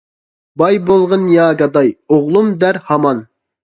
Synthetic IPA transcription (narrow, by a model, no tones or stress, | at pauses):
bɑjbolˠʁənjɑːɡɑd̪ɑjoʁlˠumd̪æɾhɑmɑn